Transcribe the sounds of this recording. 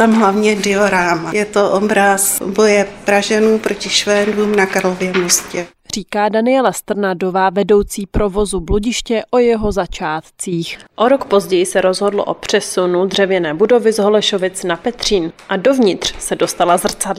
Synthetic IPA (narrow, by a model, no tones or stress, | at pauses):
t̪amɦlavɲɛdɪoɾaːmajɛt̪oʔobɾasbo̞jɛpɾaʒɛnuːpɾocɪʃvɛːnduːmnakaɾlovjɛmoscɛ | r̝iːkaːdanɪjɛlast̪r̩nado̞vaːvɛdo̞wt͡siːpɾovo̞zubluɟɪʃcɛʔojɛɦo̞zat͡ʃaːt̪t͡siːxʔoɾo̞kpo̞zɟɛjɪsɛɾo̞zɦo̞dlo̰ʔopr̝̥ɛsunud̪r̝̥ɛvjɛnɛːbudo̞vɪzɦo̞lɛʃo̞vɪt͡snapɛt̪r̝̥iːnʔado̞vɲɪt̪r̥sɛdo̞st̪alazr̩t͡sad